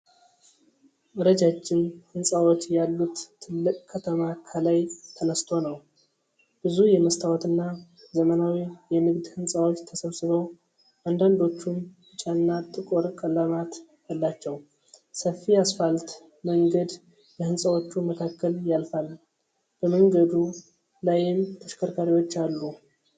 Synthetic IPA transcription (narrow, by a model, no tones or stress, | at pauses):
ɨɾəd͡ʒat͡ʃːɪnhɨnsʼawot͡ʃːjalːut̪ʰːɨlːɨkʼkʰət̪ʰəmakʰəlajt̪ʰənəst̪ʰo̞nəw | b̥ɨzujɛməst̪ʰawɔt̪ɨnːa | zəmənawijɛmɨɡd̪hɨnsʼawot͡ʃːt̪ʰəsəβsɨβəw | ʔand̪and̪o̞t͡ʃːun | ɨt͡ʃʼanːat̪ʼɨkʼoɾkʼələmat̪jalːat͡ʃːɛw | səfːijasfalt̪ | məŋɡəd̪ | jɛhɨnsʼəwot͡ʃːuməkʰakːəljalfal | b̥əməŋɡəd̪u | lajɪmt̪ʰəʃkʰəɾkʰaɾiwo̞t͡ʃːalːu